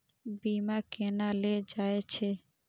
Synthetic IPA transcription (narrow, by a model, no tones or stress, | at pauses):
biːmaːkeːnaːleːd͡ʒaːeːt͡ʃʰeː